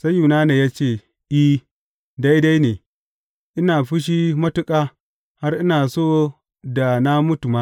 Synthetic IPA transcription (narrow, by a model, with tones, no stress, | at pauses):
sa˦jːu˨naː˦ne˨jaː˦t͡ʃeː˦˨ | ʔi˦ | da˦jda˦jneː˨ | ʔɪ˦naː˨ɸɪ˦ʃ̬i˦mɐ˦tʊ˦kʼaː˦ | ha˦rʔɪ˦naː˨soː˦ | da˨na˦mʊ˦tu˨ma˦